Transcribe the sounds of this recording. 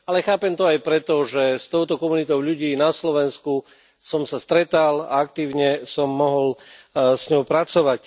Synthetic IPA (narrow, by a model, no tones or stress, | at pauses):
alɛxaːpɛmt̪ɔajpɾɛt̪ɔʒɛst̪ɔʊt̪ɔkɔmunit̪ɔʊʎuɟiːnaslɔʋɛnsku | sɔmsast̪ɾɛt̪ala̰akt̪iːʊɲɛsɔmːɔɦɔlsɲɔʊpɾat͡sɔʋac